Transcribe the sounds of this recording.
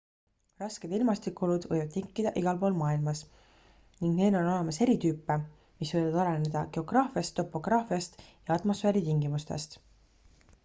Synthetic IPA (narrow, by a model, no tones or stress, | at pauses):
rɑske̞d̪ilmɑst̪ikːˑolud̪̥vɤjvɑd̪̚t̪ːiŋkːˑid̪̥ɑʔiɡ̥ɑlpo̞ːlmɑːilmɑs | niŋɡne̞ːno̞no̞le̞mɑse̞ɾit̪yːpːˑe | misvɤjvɑd̪ɑlene̞d̪̥ɑɡ̥e̞o̞ɡ̥rɑːfiɑst̪ːo̞pːˑo̞ɡ̥rɑːfiɑst̪jɑɑt̪mo̞sfeːɾit̪iŋɡimust̪e̞̰st̪